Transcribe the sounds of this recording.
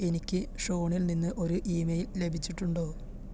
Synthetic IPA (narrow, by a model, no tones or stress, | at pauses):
e̞nikʲːɨʂo̞ːɳilninːɨʔo̞ɾuʔiːmejille̞bʱit͡ɕːiʈːuɳɖo̞ː